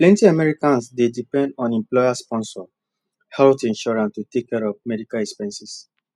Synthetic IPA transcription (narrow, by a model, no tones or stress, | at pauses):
plɛ̃ntiamɛɹikãnsdedipɛ̃ndɔ̃nɛ̃mplɔjaspɔ̃nsɔ | hɛltĩnʃɔɹãntutekːɛɹɔvmɛdikalɛkspɛ̃nsis